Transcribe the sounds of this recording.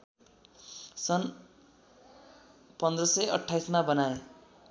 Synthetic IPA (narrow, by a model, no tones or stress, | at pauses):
sʌn | pʌnd̪rʌsʌjʌ̰ʈʰːajsmabʌnae